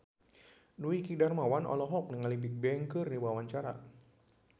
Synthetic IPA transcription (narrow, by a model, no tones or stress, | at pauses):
nuikidarmawanʔɔ̰lɔɦɔk̚nəŋalibɪk̚bɛŋkɨrdiwawaɲt͡ʃaɾa̰